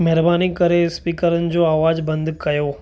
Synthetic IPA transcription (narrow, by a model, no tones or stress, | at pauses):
mɛɦɾbaːnikəɾespiːkəɾənɪ̆d͡ʑoaːʋaːd͡ʑbə̃nd̪kɐjoː